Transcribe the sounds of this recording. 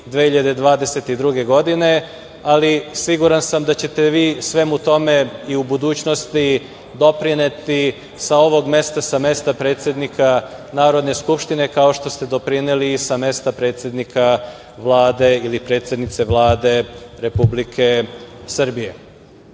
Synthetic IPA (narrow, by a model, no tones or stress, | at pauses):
d̪ʋeːhçiʎad̪ed̪ʋaːd̪e̞se̞t̪id̪ɾuɡe̞ɡo̞d̪ine̞ | alisiɡuɾansamd̪at͡ɕe̞t̪e̞ʋiːsʋe̞mut̪o̞me̞iubud̪uːt͡ɕno̞st̪i | d̪o̞pɾinet̪i | sao̞ʋo̞ɡme̞st̪asame̞st̪apɾet̪sje̞d̪nikʰanaːɾo̞d̪ne̞skupʃt̪ine̞kao̞ʃt̪o̞st̪e̞d̪o̞pɾineliːsame̞st̪apɾet̪sje̞d̪nikʰa | ʋlˠaːd̪e̞ilipɾet̪sʲje̞d̪nit̪se̞ʋlˠaːd̪e̞ɾe̞publikʰe̞sr̩bije̞